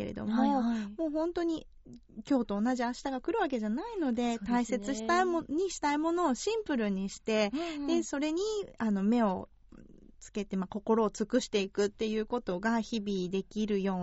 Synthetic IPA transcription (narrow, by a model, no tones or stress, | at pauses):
ḛɾḛd̪o̰mo̞mo̞ːɦõ̞nt̪o̞ɲ̟i | kʲo̞ːt̪o̞ːnaʑiaɕi̥t̪aɡakɯ̟ɾɯ̟βake̞ʑanaino̞d̪e̞t̪aise̞t͡sɨɕi̥t̪aimoɲ̟iɕi̥t̪aimo̞no̞ːɕĩmpɯ̟ɾɯ̟ɲ̟iɕi̥t̪e̞d̪e̞so̞ɾe̞ɲ̟iano̞me̞o̞ | t͡sɨ̥ke̞t̪e̞mako̞ko̞ɾo̞ːt͡sɨkɯ̟ɕi̥t̪e̞ikɯ̟t̪ːe̞jɯ̟ːko̞t̪o̞ɡaçibʲid̪e̞kʲiɾɯ̟jo̞ː